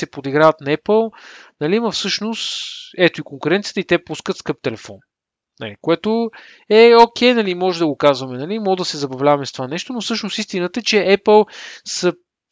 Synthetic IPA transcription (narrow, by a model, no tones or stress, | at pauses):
sɛpod̪iɡɾavət̪nɐɛpəlˠnɐlimɐfsɤʃnost̪ɛt̪oikoŋkuɾɛnt̪sijət̪əit̪ɛpuskət̪skɤp̚t̪ɛlɛfɔ̰n | nɐ̰likoɛt̪o | ɛok̟ɛjnɐlimɔʒɛd̪ɐɡokazvɐmɛnɐlimɔd̪ɐsɛzɐbɐvlʲavɐmɛst̪ovanɛʃt̪onofsɤʃnosist̪inət̪əɛt͡ʃɛʔɛpəlˠsə